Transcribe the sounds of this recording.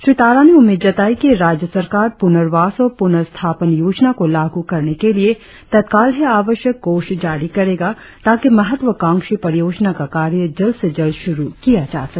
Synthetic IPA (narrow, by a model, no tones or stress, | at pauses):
ʃɾɪt̪aːɾaneʊmeːd̪d͡ʒɐt̪aːikiɾaːd͡ʒjəsɐɾkaːɾpʊnəɾʋaːsɔːɾpʊnəɾst̪ʰaːpənjoːd͡ʒnakolaːɡukɐɾnekelie | t̪ɐd̪̚kaːlɦɛaːʋəʃjəkːoːʃd͡ʒaːɾikɐɾeːɡa | t̪aːkimɐɦət̪ʋəkãːŋkʃipɐɾɪjoːd͡ʒnakakaːɾjəd͡ʒɐlsed͡ʒɐlʃʊɾukijad͡ʒa̰ːsɐkː